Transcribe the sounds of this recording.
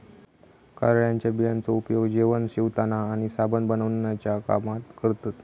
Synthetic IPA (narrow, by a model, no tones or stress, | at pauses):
kaɾɭjaɲt͡ɕjabijant͡səupjoɡd͡ʑeʋənɕiʋt̪anaːɽ̃isabənd̪bənəʋnjat͡ɕjaka̰mat̪kəɾt̪at̪